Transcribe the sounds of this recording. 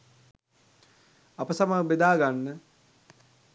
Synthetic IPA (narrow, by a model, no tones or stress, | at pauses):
apəsamaəbed̪aːɡanːə